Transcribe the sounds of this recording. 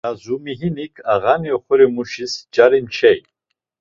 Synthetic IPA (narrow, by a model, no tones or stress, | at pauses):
azumiɦinikʰaʁaniɔχɔɾimuʃisd͡ʒaɾint͡ʃʰɛj